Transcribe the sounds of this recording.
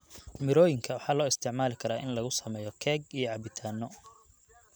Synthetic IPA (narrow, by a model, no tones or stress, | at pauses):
mɪɾɔːjɪŋkʰɐwɑħɑːlɔːɪst̪ʰɪʕmaːlɪkʰɐɾaːʔɪnlɐɣʊsɐmɛːjɔkʰɛːɡijɔʕɑbɪt̪ʰaːnːɔ